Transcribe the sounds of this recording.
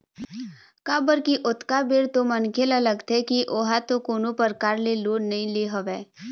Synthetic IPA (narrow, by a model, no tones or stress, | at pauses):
kaːbəlkiʔʊt̪kabeːɽt̪omɐnkʰelɐləɡt̪ʰekiʔoɦat̪okoːnopəɾkaːɾleloːɽnɐɦĩleɦoʋeː